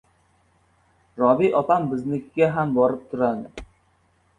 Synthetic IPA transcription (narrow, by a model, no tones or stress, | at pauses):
ɾɒbiʔɒpambɪznɪkʲɡʲaɦambɒɾɪp̚t̪ʰʊɾad̪ɪ